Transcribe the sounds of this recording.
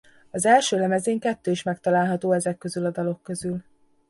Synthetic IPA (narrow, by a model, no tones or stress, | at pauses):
ɒzɛlʃøːlɛmɛzeːŋkɛt̪ːøːiʃmɛk̚t̪ɒlaːlɦɒt̪oːɛzɛkːø̞zylɒd̪ɒlo̞kːø̞zyl